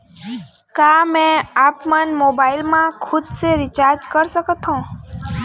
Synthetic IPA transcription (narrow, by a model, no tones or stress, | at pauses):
kamɛ̃apmənmobailmãkʰʊd̪seɾit͡ʃaɾd͡ʒkəɾsəkət̪ɦõ